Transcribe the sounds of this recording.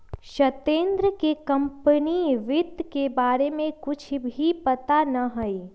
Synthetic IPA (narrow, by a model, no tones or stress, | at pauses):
ʃɐt̪ẽːnd̪ɾəkekɐ̃mpəniʋɪd̪kebaːɾemẽkʊt͡ʃʰbʱipɐt̪anɐɦɐi